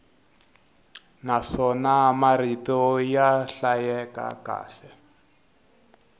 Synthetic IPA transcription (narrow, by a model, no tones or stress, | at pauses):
naʂɔnamaritɔjaɬajɛka̰ka̰ːɬɛ